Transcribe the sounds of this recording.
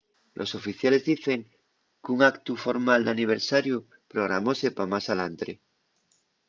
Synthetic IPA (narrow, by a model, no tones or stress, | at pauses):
lʔo̞̰so̞fiθjale̞zðiθe̞ŋ | kuŋakt̪ufo̞ɾmald̪aniβ̞eɾsaɾju | pɾoɣɾa̰mosepamasalant̪ɾe